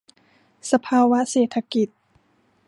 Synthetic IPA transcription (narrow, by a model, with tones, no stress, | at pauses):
sa˧pʰaː˧wa˦˥seː˨˩t̪ʰːa˧ki˨˩t̪̚